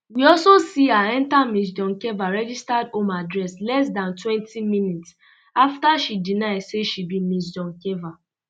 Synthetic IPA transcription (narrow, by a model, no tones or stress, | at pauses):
wiɔlsosiaɛ̃ntamis̬dɔ̃ŋkɛvaɹɛd͡ʒistadõmadɹɛslɛs̬dãntwɛ̃ntʰimĩnits | aftaʃidinaɪsseʃibimis̬dɔ̃nkɛva